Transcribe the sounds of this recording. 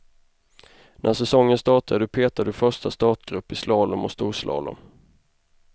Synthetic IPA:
nʔæsɛsɔŋːənst̪ɑːʈad̪əd̪ɵpʰeːt̪ad̪əfœʂʈast̪ɑːt̪ɡɾɵpːɪslɑːləmɔ̰st̪uːʂlʔɑ̰ːlʊ̰m

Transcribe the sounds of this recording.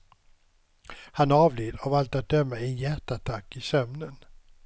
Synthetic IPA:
hanɑːvleːd̪avalt̪at̪̚d̪œmːaɛnjæʈat̪ʰakːɪsœmnən

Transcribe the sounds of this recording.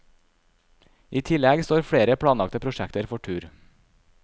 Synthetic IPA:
ʔiːt̪ʰɪlɛɡst̪oːɾfɽeːɾəpʰɽɑːnɑk̚t̪əpʰɾʊʃɛkt̪əɾfɔʈʰʉːɾ

